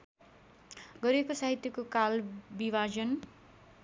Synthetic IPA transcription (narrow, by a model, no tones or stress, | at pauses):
ɡʌɾekosaɦit̪jʌkokalbibad͡zʌn